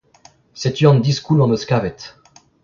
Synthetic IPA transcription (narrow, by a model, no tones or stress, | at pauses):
set̪yɑ̃nd̪iskulɑ̃məskavɛt̪